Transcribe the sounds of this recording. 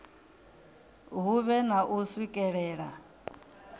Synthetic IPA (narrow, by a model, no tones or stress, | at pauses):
ɦuβɛnaʔuswikʼɛɺɛːɺa